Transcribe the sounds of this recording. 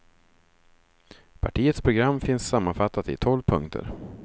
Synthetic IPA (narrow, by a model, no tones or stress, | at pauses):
pʰaʈʰiːət̪spʰɾʊɡɾamːfɪnsːamːanfat̪ːat̪ɪ̰t̪ʰɔlvpʰɵŋkt̪ʰə̰ɾ